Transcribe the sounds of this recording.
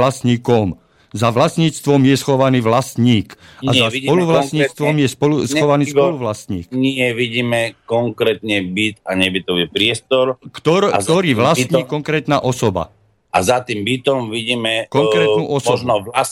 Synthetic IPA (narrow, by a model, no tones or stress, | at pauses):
lasɲiːkɔm | zaʋlasɲiːt͡st̪ʋɔmjɛsxɔʋaniːʋlast̪ɲiːkazaspɔluʋlat̪ɲiːt͡st̪ʋɔmjɛspɔlusxɔʋaniːspɔluʋlast̪ɲḭːkɲɪɛʋiɟiːmɛkɔŋkɾɛːt̪ɲɛbit̪aɲɛbit̪ɔʋipɾɪɛst̪ɔɾkt̪ɔɾt̪ɔɾiːʋlast̪ɲiːkɔŋkɾɛːt̪naʔɔsɔba̰ | ʔa̰zat̪iːmbit̪ɔmʋiɟiːmɛkɔŋkɾɛːnuːʔɔsɔnɔ